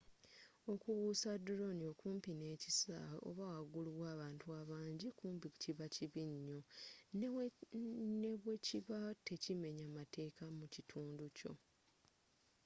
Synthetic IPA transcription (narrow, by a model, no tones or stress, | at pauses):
o̞kuβusaduɾo̞nio̞kuːmpineːcisa̰o̰βawaɡuliwaːβaːntuaːβaːɲɟikuːmpiku̥ciβaciβiɲːo̞ | ne̞βweciβatʰe̞cime̞ɲamatʰe̞ːkamucitʰuːnduco̞̰